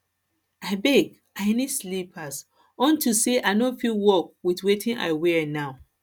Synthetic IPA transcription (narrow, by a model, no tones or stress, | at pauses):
aɪbɛɡ | aɪnislipʰas | ɔ̃ntʰuseʔaɪnofilwɔk̚witwetʰĩna̰ɪwɛnaʊ